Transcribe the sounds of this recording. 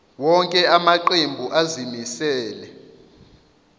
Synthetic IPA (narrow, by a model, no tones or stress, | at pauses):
wɔŋkʼɛamaǃembʱuʔazimisɛːlɛ